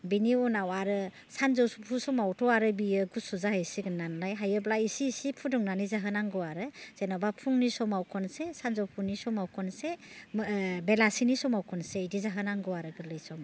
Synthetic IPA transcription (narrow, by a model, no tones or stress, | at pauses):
biniɔnawaɾɯ | sanzɔwsupʰusɔmawtʰɔwaɾɯbijɯɡusuzahɯjsiɡɯnːanlajɦajɯblaisiːsipʰudɔŋnanizaɦɯnaŋɡɯwaɾɯz̥enabapʰuŋnisɔmawkʰɔnsesanzɔwpʰunisɔmawkʰɔnse | belasinisɔmawkʰɔnseidizaɦɯnaŋɡɯwaɾɯɡɯɾlɯjsɔm